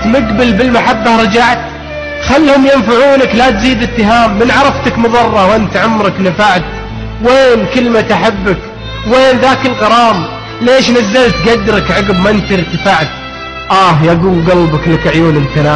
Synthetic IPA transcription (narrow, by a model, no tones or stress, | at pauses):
t̪mʊɡbɪlbɪlmaħabːahɾˤɑd͡ʒaʕt̪ | xalːhʊmjɪnfaʕuːnaklat̪ziːd̪ɪt̪ːɪɦaːmːɪnʕɑɾˤɑft̪akmʊðˤɑrˤːɑwʔɪnt̪ʕʊmɾɑknafaʕt̪ | weːnkɪlmat̪aħabːak | weːnðaːkɪlqɑɾˤɑːm | leːʃnazːalt̪ɡad̪ːɾɪkʕɑɡɪbmaʔɪnt̪ɪɾt̪ɪfaʕt̪ | ʔaːhjaɡuːlɡɑlbɑklakʕjuːnɪlθanaː